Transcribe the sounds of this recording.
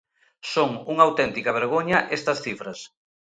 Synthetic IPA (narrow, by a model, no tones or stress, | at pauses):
soŋuŋawt̪ɛnt̪ikɐβ̞eɾɣ̞oɲɐʔest̪ɐsθifɾɐs